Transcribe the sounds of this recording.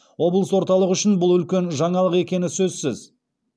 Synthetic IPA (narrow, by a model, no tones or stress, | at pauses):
wo̞blˠəswo̞ɾt̪ɑlˠəʁʏʃɪnbʊlˠʏlkʲe̞nʒɑɴɑlˠəqe̞kʲe̞nɪsɵzsɪz